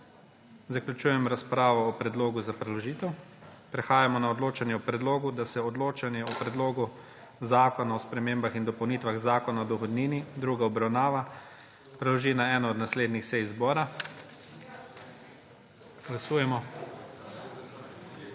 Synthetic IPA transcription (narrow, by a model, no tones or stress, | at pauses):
zaklʲut͡ʃuːjɛmɾaspɾaːʋɔːpɾɛd̪loːɡuzapɾɛlɔʒiːt̪ɛwpɾɛxaːjamɔnaɔd̪loːt͡ʃanjɛɔpɾɛd̪loːɡud̪asɛɔd̪loːt͡ʃanjɛɔpɾɛd̪loːɡu | zaːkɔnaɔspɾɛmeːmbaxind̪ɔpɔwniːt̪ʋaɣzaːkɔnaɔd̪ɔxɔd̪niːnid̪ɾuɡaɔbɾawnaːʋa | pɾɛlɔʒiːnaɛːnɔːd̪nasleːd̪nixsɛjzbɔːɾa | ɡ̥lasuːjɛmɔ